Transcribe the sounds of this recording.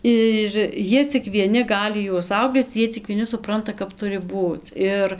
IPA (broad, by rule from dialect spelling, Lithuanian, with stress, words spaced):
ɪr ˈjiɛ t͡sʲɪk ʋʲiɛˈnʲɪ ˈɡɑːlʲɪ juɔs ˈsɐʊ bʲɛt ˈjiɛ t͡sʲɪk ʋʲiɛˈnʲɪ sʊˈprɐntɐ kɐp ˈtʊrʲɪ ˈbuːt͡s ˈɪr